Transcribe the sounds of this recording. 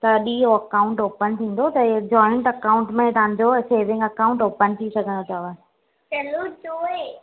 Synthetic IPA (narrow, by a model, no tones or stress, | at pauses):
t̪ɐɗiːɦoɐkaːʊ̃ɳʈoːpənt̪ʰĩːn̆d̪ot̪ɐd͡ʑɔːɪ̃ɳʈɐkaːʊ̃ɳʈmẽt̪ɐʋ̤ãɲd͡ʑoseːɾʋɪ̃ŋɡɐkaʊ̃ɳʈoːpənt̪ʰisɐɡʱə̃nd̪ot͡ɕʰɐʋa | t͡ɕɐlot͡ɕoːe